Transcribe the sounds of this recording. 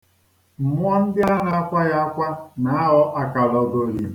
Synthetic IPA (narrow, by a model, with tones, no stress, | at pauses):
m̩˨mʷ˦ɔ˦n̩˦dɪ˦a˦ɾa˨a˦kʷa˦ɣa˦a˦kʷa˦na˨˦a˦ɦɔ˦ʔa˨ka˨lɔ˨ɡo˨ɾi˨˦